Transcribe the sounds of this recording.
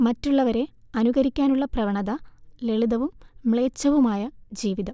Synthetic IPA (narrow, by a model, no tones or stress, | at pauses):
mɐtːuɭːɐʋɐɾe̞ | ɐnuɣɐɾikʲːaːnuɭːɐprɐʋɐɳɐðɐle̞ɭud̪ɐʋumːɭe̞ːt͡ɕːɐʋumaːjɐd͡ʑiːʋiðɐ